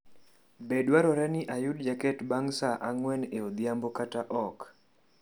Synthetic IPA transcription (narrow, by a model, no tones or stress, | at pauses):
bedwaɾɔɾɛnɪʔajʊd̚d͡ʒakɛtbaŋsaʔaŋwɛneod̪jambokataʔɔk